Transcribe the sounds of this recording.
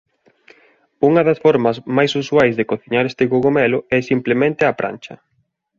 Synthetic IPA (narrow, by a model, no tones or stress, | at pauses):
uŋɐðɐsfɔɾmɐzmajsuswajzðekoθiɲaɾest̪ɪɣoɣomɛlʊɛsimplemẽnt̪ɪapɾʔa̰nt͡ʃɐ̰